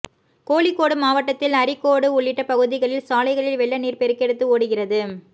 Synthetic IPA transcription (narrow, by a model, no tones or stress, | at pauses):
koːɭɪkːoːɽɯmaːʋɐʈːɐt̪ːɪlɐɾɪkːoːɽɯʊɭːɪʈːɐpɐɣɯðɪɣɐɭɪlsaːlɐɪɣɐɭɪlʋɛɭːɐniːrpɛɾɯkɛɽɯt̪ːɯoːɽɯɣɪrɐðɯ